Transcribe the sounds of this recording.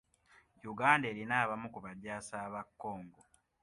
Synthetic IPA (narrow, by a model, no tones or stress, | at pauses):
juɡaːnde̞ːɾinaːβamukuβadaːsaːβakːo̞ːŋɡo